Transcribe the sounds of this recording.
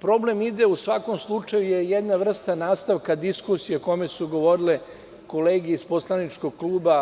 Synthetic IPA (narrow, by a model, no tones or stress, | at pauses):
pɾo̞ble̞mid̪eusʋako̞mslˠut͡ʃajujejed̪naʋr̩st̪anaːst̪aʋkad̪iskusijekomesuɡo̞ʋo̞ɾile | ko̞leːɡeispo̞slˠanit͡ʂko̞ɡ̚klˠuːba